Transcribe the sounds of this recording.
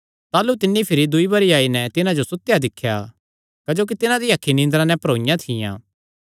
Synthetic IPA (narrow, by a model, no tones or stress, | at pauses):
t̪aːlut̪ɪnːipʰɪɾid̪ʊibɐɾijaːinɛt̪ɪnãd͡ʒosʊt̪ːjad̪ɪkʰːja | kɐd͡ʒoːk̬it̪ɪnãd̪iɐkʰːinɪ̃nd̪ɾãnɛpɐɾoːɪjãt̪ʰɪjã̰ː